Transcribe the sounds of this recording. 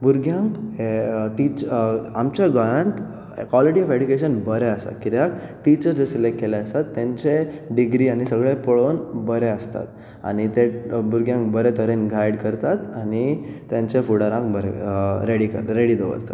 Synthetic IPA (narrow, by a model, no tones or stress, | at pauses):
buɾɡjãŋk | ʈit͡ɕamt͡ɕaɡajaɳʈ | kwɔliʈiɔfeɖjukeɕənbəɾɛəst̪a̰t̪kit̪jakʈit͡ɕəɾd͡zesilekkːelaəst̪at̪ːjãɲt͡ɕeɖiɡɾiañisəɡɭepəɭonbəɾeəst̪a̰t̪ | a̰ñit̪ebuɾɡjãŋkbəɾɛt̪əɾenɡʱajɽkəɾt̪at̪anit̪jãɲt͡ɕefuɽaɾãŋkbəɾḛɾeɽikə̰ɾɾeɽid̪ɔʋə̰ɾt̪a̰t̪